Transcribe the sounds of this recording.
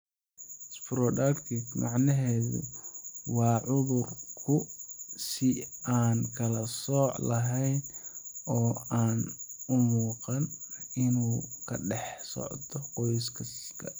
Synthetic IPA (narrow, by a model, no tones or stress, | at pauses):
spɾɔdɐrkʰɪɡmɑ̰ʕnɐɦɛːðʊ̰wɑːʕʊðʊrkʰʊsɪaːnkʰɐlɐsɔːʕlɐɦɛjnɔːaːnʊmuːqɑnɪnuːkʰɐɖɛħsɔ̰ʕt̪ʰɔqɔjskʰɐskʰɐ